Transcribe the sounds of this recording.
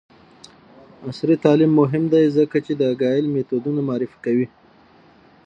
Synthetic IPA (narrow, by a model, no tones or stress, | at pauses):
asɾit̪ɑlɪmːʊɦɪmd̪ajzəkat͡ʃed̪əɡɑjɪlmet̪od̪unamɑɾɪfkawi